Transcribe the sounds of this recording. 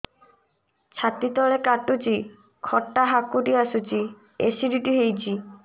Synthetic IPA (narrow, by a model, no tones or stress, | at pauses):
t͡ɕʰat̪it̪ɔɭekaʈut͡ɕi | kʰɔʈːaɦakːuʈiasut͡ɕi | esiɖiʈiɦejt͡ɕʰi